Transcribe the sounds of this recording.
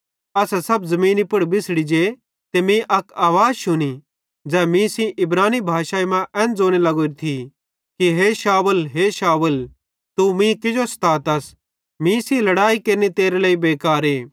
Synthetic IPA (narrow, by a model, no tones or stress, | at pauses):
ɐsasɐbzɐmĩːnipʊɽbɪsɽid͡ʒe | t̪emĩʔɐkaːʋaːd͡zʃʊni | d͡zɛːmĩsĩʔɪbɾaːnibʱaːʃaːimãʔɛ̃ːnd͡zoːñelɐɡoːɾit̪ʰi | kiɦeːʃaːʋəlɦeːʃaːʋəl | t̪umĩkɪd͡ʒost̪aːt̪ɐs | mĩsĩlɐɽaːikeːɾnit̪eːɾeleːibeːkaːɾeː